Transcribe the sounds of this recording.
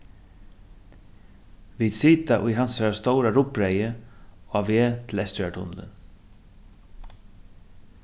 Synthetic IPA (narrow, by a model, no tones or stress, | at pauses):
ʋiːd̪siːt̪aʔʊjɦansaɹast̪owɾaɾʊpɾejəoaʋeːt̪ʰɪlɛst̪œʈʊ̰nlə̰n